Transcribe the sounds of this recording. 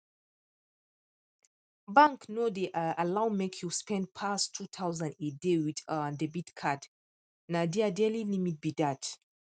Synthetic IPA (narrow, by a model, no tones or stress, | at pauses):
bãŋknodeʔalawmekʰjuspɛ̃nd̚pʰastʰːut̪ʰawzãndedewidadebitkʰad | nadiadɛlinimit̚bidat